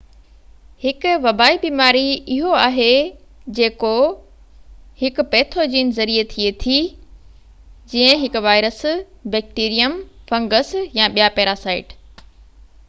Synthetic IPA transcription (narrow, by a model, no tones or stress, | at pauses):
hɪkʊ̆ʋɐbaːibiːmaːɾiɪɦoaːɦed͡ʑeːko | hɪkʊ̆pɛːt̪ʰod͡ʑiːnɪzɐɾiet̪ʰiet̪ʰi | d͡ʑĩːə̃ɦɪkʊ̆ʋaːɪɾəsbɛːk̚ʈiːɾijəmfɐ̃ŋɡəsjãːɓijapɛːɾasaːɪʈ